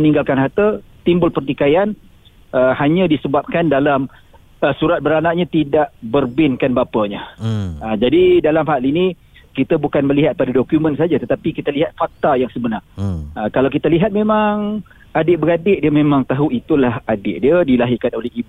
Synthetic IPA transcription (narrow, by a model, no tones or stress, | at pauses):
ənĩŋɡalkanɦat̪ət̪imbʊlpərt̪ikajan | əhaɲãdisəbap̚kandalam | əsuɾat̪̚bəɾanaʔɲat̪idaʔbərbɪnkanbapaɲaəd͡ʒadidalamhalini | kit̪abukanməliɦat̪̚padadokjumənsad͡ʒat̪ət̪apikit̪aliɦat̪̚fak̚t̪ajaŋsəbənarəkalawk̬it̪aliɦat̪̚memaŋ | adɪʔbəɾadɪʔdiəmemaŋt̪aɦuit̪ulahadɪʔdiədilaɦikanolɛɦibu